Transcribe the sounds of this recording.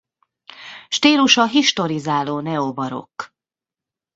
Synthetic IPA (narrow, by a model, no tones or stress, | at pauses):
ʃt̪iːluʃɒɦiʃt̪o̞ɾizaːloːnɛobɒɾo̞̰kː